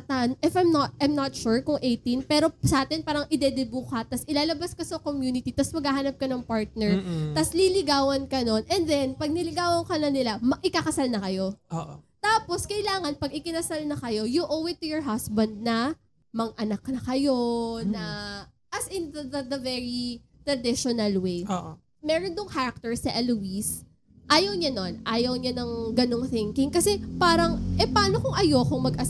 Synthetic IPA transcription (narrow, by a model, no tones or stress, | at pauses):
t̪anʔɪfajmnɐt̪ʔajmnɐt̪ʃuɹkʊŋʔejt̪inpɛːɾo̞sɐʔaːt̪ɛnpaːɾɐŋʔɪd̪ɛd̪ɛbukɐt̪ɐsɪlaːlɐbɐskɐsɐkomjuːnɪt̪it̪ɐsmɐɡhaːɦaːnɐp̚kɐnɐŋpaɹt̪̚nɛɹt̪ɐslilɪɡaːwɐnkɐno̞nʔɛnd̪ɛnpɐɡ̚nɪlɪɡaːwɐŋkɐnɐnɪlamɐʔɪkakɐsalnɐkɐjo̞oʔt̪aːpo̞skɐʔɪlaːŋɐnpɐɡɪkɪnɐsalnɐkɐjo̞juʔowɛt̪ːʊjɔɹɦasbɐnd̪̚nɐ | mɐɡ̚ʔɐnɐknɐkɐjo̞nɐ | ʔɐsɪndɐd̪ɐvɛɹi | t̪ɾɐd̪ɪʃonɐlwejʔo | mɛːɾond̪oŋhaɾɐk̚t̪ɛɹsɐʔɛluis | ʔaːjɐwɲɐno̞nʔaːjɐwɲɐnɐŋɡɐno̞ŋθɪŋkɪŋkɐsɛpaːɾɐŋʔɛpaːnokoŋʔɐjo̞koŋmɐɡʔɐs